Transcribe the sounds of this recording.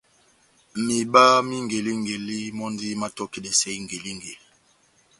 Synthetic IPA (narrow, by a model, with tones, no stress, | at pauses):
mi˨ba˦mi˦ŋɡe˨li˦ŋɡe˨li˦mɔ˦n˦di˦ma˦tɔ˦ki˦dɛ˨sɛ˦i˦ŋ˨ɡe˨li˦ŋɡe˨